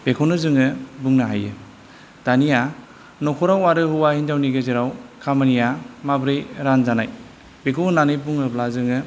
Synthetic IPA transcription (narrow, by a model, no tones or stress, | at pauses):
b̥ekʰonɯzɯŋɯbuŋnaɦajɯ̰ | d̥anija | nɔkʰɔɾawaɾɯɦuwahindawniɡeziɾawkʰamɯnijamabɾijɾanzanaj | b̥ekʰonanɯjbuŋɯblazɯŋɯ